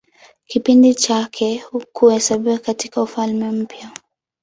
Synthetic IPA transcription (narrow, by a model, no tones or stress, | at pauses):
kipindit͡ʃakʰɛhukuhɛsaɓiwakatikaufalmɛm̩pja